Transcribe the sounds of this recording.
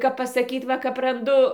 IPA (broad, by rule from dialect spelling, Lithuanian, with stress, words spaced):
kɐp pɐsɐˈkʲiːt ˈʋɐ kɐp rɐnˈdʊ